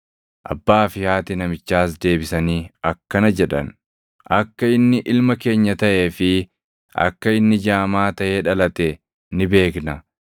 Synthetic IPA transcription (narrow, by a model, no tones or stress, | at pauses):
ʔɐ̰bːaːfɪhaːt̪ɪnɐmɪt͡ʃːaːsd̪e̞ːbɪsɐniːɐkːɐnɐd͡ʒɛᶑɐ̰n | ʔɐkːɐɪnːɪʔɪlmɐke̞ːɲːɐt̪ɐʔe̞ːfɪ | ʔɐ̰kːɐɪnːɪd͡ʒaːmaːt̪ɐʔeːᶑɐlɐt̪ɛ | nɪbe̞ːknɐ